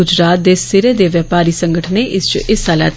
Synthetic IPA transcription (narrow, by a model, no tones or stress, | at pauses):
ʊd͡ʒɾaːt̪̚d̪eːsɪɾeːd̪eːʋəːpaːɾiːsəŋɡəʈʰneːʔɪst͡ʃɪsaːlɛ̰ːt̪